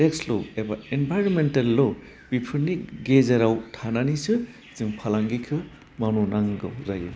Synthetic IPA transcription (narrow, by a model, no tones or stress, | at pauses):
eksloebaenbʱajɾonmentalːo | pipʰɯɾniɡezaɾawtʰananisɯ | zɯŋpʰalaŋɡikʰɯ | mawnunaŋɡɯ̰wzajɯ̰